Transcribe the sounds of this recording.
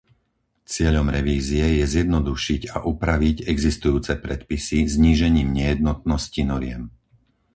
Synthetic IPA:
t͡sɪɛʎɔmɾɛʋiːziɛjɛzjɛd̪nɔd̪uʃiɟa̰ʔupɾaʋiɟɛɡzist̪ujuːt͡sɛpɾɛt̪pisizɲiːʒɛɲiːmɲɛjɛd̪̚nɔt̪̚nɔscinɔɾɪɛm

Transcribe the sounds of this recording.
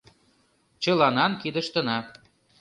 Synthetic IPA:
t͡ɕɤlɑnɑnkid̪ə̆ʃt̪ə̆nɑ

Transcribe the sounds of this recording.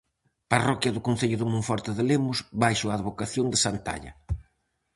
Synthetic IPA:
parɔkjɐðʊkon̟θeʎʊðɪmũɱfɔɾt̪ɪðɪlemʊzβajʃʊaːðβokaθjond̪ɪsant̪a̰ʎɐ̰

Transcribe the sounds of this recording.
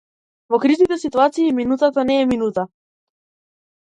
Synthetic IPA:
vɔkɾiznit̪ɛsit̪uat̪siːminut̪at̪anɛːminut̪a

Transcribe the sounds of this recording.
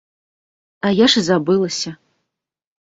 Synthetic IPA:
ajaʂɨzabɨlˠɐsʲɐ

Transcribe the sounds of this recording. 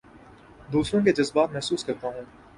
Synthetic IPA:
d̪uːsɾõk̬ed͡ʒɐzbaːt̪mɛɦsuːskɐɾt̪aɦũː

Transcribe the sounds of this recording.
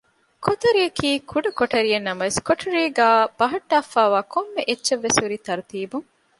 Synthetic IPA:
kʰot̪ɐɾijɐkiːkʰuɖɐkoʈɐɾienːɐmɐʋeskoʈʰɐɾiːɡæːb̥ɐɦɐʈːaːfaːʋaːkʰomːeʔetːʃɐʋːesuɾit̪ɐɾut̪iːbuŋ

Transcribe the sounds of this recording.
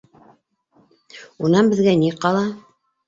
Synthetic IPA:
unɑnbɘ̆ðɡæniqɑlˠɑ

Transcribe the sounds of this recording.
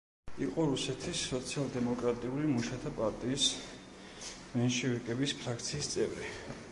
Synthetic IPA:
iqʼɔɾusɛt̪ʰisːɔt̪sʰialˠd̪ɛmɔkʼɾat̪ʼiulimuʃat̪ʰapʼaɾt̪ʼiːs | mɛnʃiiɾkʼɛbispʰɾak̚ʰt̪sʰiːst̪sʼɛvɾi

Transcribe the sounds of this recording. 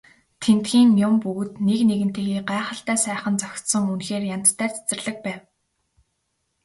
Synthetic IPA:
t̪ʰent̪xiːŋʲjʊmpuɣɵ̆t̪nekneɣɘ̆nt̪ʰeːxiːɢæːχə̆ɬt̪æːsæːχə̆nt͡sœxʲt̪sɞ̆ŋunxeːrjan̥t̪t̪ʰːæːrt͡sʰe̥t͡sɘ̆rɮə̆k̚pæːw

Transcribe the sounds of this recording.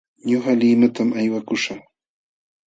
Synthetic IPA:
ɲoχaliːnat̪amajwakʊʃa

